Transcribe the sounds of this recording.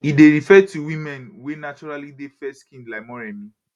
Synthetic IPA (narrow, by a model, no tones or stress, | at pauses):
ideɹifɛtuwĩmɛ̃nwenat͡ʃɔɹalidefɛskĩndlaɪmɔɹɛmĩ